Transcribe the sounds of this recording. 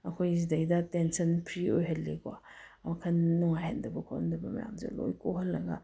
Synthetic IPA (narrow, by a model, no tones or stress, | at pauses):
ɐkʰojzidɐidɐtensɐnpʰɾiojɦɐlːekwa̰mɐkʰɐnːuŋajhandɐbɐkʰohɐndɐbɐmɐ̰ja̰mzḛlo̰jkoɦɐlːɐɡɐ̰